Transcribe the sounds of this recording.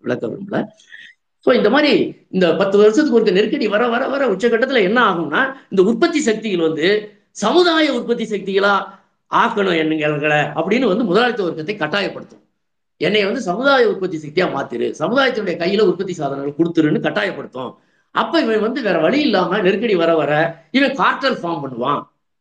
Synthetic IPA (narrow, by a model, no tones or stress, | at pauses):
ʋɪɭɐkːɐʋɪ̰ɯmɪlɐ̰ | soːɪnd̪ɐmaːd̪ɾiɪnd̪ɐpɐt̪ːɯʋɐɾɐsɐt̪ːɯkːɯɔɾɯk̬ːɯnɛɾkːɐɽiʋɐɾɐʋɐɾɐʋɐɾɐʊʈt͡ʃːɐkːɐʈːɐt̪ːɪlɐɛnːɐaːɣɯmnːaːɪnd̪ɐʊrpɐt̪ːisɐk̚t̪ɪɣɐlʋɐnd̪ɯ | sɐmɯðaːjɐʊɾpɐt̪ːisɐk̚t̪ɪɣɐɭãː | aːɣɐɳʊ̃ɛnːɯŋɡɐlɣɐɭɐɐpːɐɽɪnːɯʋɐnd̪ɯmʊðɐlaːɭɐt̪ːlɐɔɾɯkːɐt̪ːɐɪkːɐʈːaːjɐpːɐɽɯt̪ːʊ̰̃ | ɛnːɛɪʋɐnd̪ɯsɐmɯðaːjɐʊɾpɐt̪ːisɐk̚t̪ijaːma̰ːt̪ɪɾɯ̰sɐmɯðaːjɐt̪ːɪnɯɽɐjɐkɐjːɪlɐ̃ʊrpɐt̪̬ːisaːðɐnɐŋɡɐɭkɔɽɯt̪ːɯɾɯnːɯkɐʈːaːjɐpːɐɽɯt̪ːõ̰ː | ɐ̰pːɐːɪʋɐ̃ʋɐnd̪ɯʋeːɾɐʋɐɭɪɪlːaːmɐnɛɾɯkːɐɽiʋɐɾɐʋɐɾɐɪʋɐ̃kaːɾʈːɐlfaːɾmpɐɳːɯʋã̰ː